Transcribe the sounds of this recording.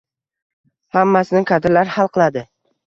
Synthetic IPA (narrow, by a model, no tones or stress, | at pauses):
hamːasɪnɪkʰad̪ɪɾlaɾhalˠqʰɨlˠad̪ɪ